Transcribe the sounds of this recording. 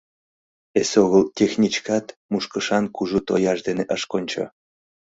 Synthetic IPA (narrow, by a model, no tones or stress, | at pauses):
esoɣəltʲexnʲit͡ɕkɑt̪muʃkəʃɑnkuʒut̪ojɑʃd̪eneʔəʃkonʲt͡ɕo̰